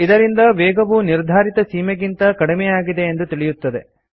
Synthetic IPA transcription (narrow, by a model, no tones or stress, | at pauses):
id̪ɐɾind̪ɐʋɛːɡɐʋuniɾd̪ʱaːɾit̪ɐsiːmeɡint̪ɐkɐɽimɛjaːɡid̪e̞ːnd̪ut̪iɭijut̪ːɐd̪e̞